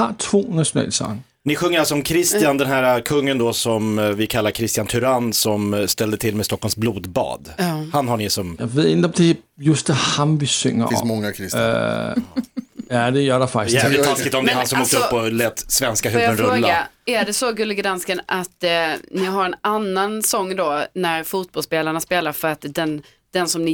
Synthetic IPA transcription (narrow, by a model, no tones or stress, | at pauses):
hat͡sʰvo̰ːnæɕʊnɛ̰ːləsɑ̰ŋ | nɪɧɵŋːəɾalsɔmkʰɾɪst̪ɪjand̪ɛnɦæːɾakʰɵŋːənd̪ɔsɔmvɪkʰalːaɾkʰɾɪst̪ɪjant̪ʰʉɾansɔmst̪ɛld̪ət̪ʰɪlmɛst̪ɔkːɔlmsbluːd̪bɑ̰ːd̪hanɦaɳɪsɔmjaʋeðˠend̪ɔmd̥̪e | jɵsd̪ɛhamʋisʏŋɐ̰fɪsmɔŋːakʰɾɪst̪ | jad̪ɛjœdɛfakt̪ːsaɪakːɪt̪ːɔmd̪ɛhansɔmuːkt̪əpːɔlɛːt̪svɛnskaɦʉjənɾɵɾloːaaæɖɛsɔɡɵlːəɡɾanskənʔat̪nɪɦaɾɛnanːansɔŋːd̪onæɾfuːt̪̚bɔlspeːlaɳaspeːlaɾfœɾat̪d̪ɛn | d̪̥ɛnsɔmnɪ